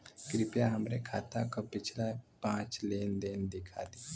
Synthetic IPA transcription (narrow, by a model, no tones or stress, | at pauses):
kɾɪpjaɦəmɾekʰaːt̪ãkopɪt͡ʃʰlapãːt͡ʃleːnd̪eːnd̪ɪkʰa̰ːd̪i